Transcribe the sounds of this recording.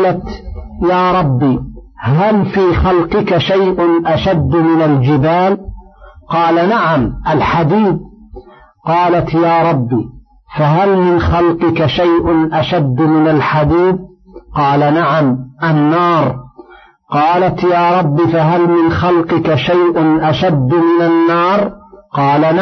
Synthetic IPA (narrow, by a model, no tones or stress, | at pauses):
lat̪jaːɾˤɑbːiː | ɦalfiːxalqɪkaʃajʔʊnʔaʃad̪ːmɪnald͡ʒɪbaːl | qɑːlanaʕamʔalħad̪iːd̪̚ | qɑːlat̪jaːɾˤɑbːi | faɦalmɪnxalqɪkaʃajʔʊnʔaʃad̪ːmɪnalħad̪iːd̪̚ | qɑːlanaʕamʔanːɑːɾˤ | qɑːlat̪jaːɾˤɑbːɪfaɦalmɪnxalqɪkaʃajʔʊnʔaʃad̪ːmɪnanːɑːɾˤqɑːlana